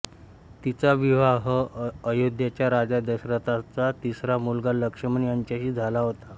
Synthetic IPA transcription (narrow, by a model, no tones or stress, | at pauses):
t̪it͡saʋiʋaɦəəjod̪jat͡ɕjaɾad͡zad̪əɕɾət̪at͡sat̪isɾamulɡaləkʂəməɳjaɲt͡ɕaɕiːd͡zʱalaɦot̪a